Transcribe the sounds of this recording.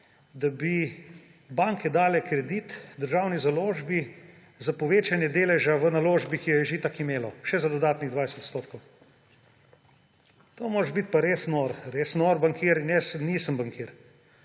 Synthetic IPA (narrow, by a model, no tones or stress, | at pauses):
d̪abi | baŋkʰɛd̪aːlɛkɾɛd̪it̪d̪əɾʒaːwnizaloːʒbi | zapɔʋeːt͡ʃanjɛd̪eːlɛʒaʋənaloːʒbikijɔjɛʒit̪akimeːlɔʃɛzad̪ɔd̪aːt̪niɣd̪ʋajsɛt̪t̪st̪oːt̪kow | t̪oːmoːɾɛʒbit̪̚paɾeːsnoɾɾesnoɾbaŋkʰiːɾinjɛsniːsəmbaŋkiɾ